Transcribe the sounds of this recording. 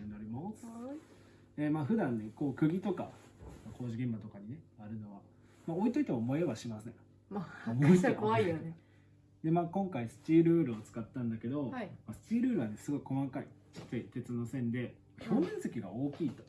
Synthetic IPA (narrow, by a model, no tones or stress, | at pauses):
naɾʲimos | emaːɸɯ̟d̪ãnːe̞ko̞ːkɯ̟ɡʲit̪o̞ka̰mako̞ːʑiɡẽ̞mbat̪o̞kaɲ̟ine̞aɾɯ̟no̞βa | mao̞it̪o̞it̪emomoeβaɕimasẽ̞̰ | mamoitekoaio | d̪e̞maːkõ̞ŋkaisɨ̥t͡ɕiːɾɯ̟ːɾɯ̟ot͡sɨ̥kat̪ːãnd̪ake̞d̪o̞masɨ̥t͡ɕiːɾɯ̟ːɾɯ̟βane̞sɨɡo̞iko̞makaḭt͡ɕi̥t͡ɕːait̪e̞t͡sɨno̞ːsẽ̞nd̪e̞ | maço̞ːnẽ̞nsekʲiɡa̰o̞ːkʲiːt̪o̞̥